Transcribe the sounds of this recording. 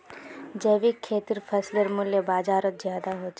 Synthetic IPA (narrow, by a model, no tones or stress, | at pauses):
d͡ʒɐʋikʰːeːt̪iɾfʰɐsləɾmʊljəbaːd͡ʒaːɾət̪zjaːd̪aɦoːt͡ʃ